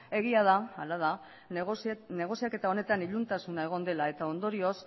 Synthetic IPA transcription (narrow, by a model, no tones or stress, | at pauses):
e̞ɣ̞iað̞aalað̞a | ne̞ɣ̞o̞siake̞t̪ao̞ne̞t̪aniʎunt̪asunae̞ɣ̞o̞nd̪e̞lae̞t̪ao̞nd̪o̞ɾio̞s